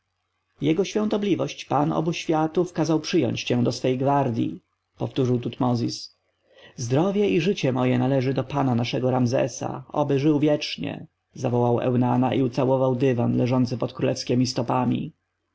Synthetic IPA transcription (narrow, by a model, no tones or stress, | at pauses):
jɛɡɔɕfʲjɔ̃w̃t̪ɔblʲivɔɕt͡ɕpanɔ̰buɕfʲjat̪ufkazawpʂɘjɔ̰ɲt͡ɕt͡ɕɛ̃d̪ɔsfɛjɡvaɾd̪ʲjḭ | pɔft̪uʐɘwt̪ut̪mɔzʲis | zd̪ɾɔvʲjɛiʐɘt͡ɕɛmɔjɛnalɛʐɘd̪ɔpananaʂɛɡɔɾamzɛ̰sa̰ɔ̰bɘʐɘwvʲjɛt͡ʂɲɛ̰ | zavɔwawɛ̰wnanaʔiut̪sawɔvawd̪ɘvanlɛʐɔnt̪sɘpɔt̪kɾulɛfskʲɛmʲist̪ɔpamʲḭ